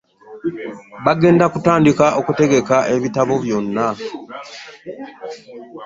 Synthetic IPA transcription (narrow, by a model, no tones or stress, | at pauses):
βaɡe̞ːndakutaːndikaʔokute̞ɡe̞kaʔe̞βitaβo̞βjo̞nːa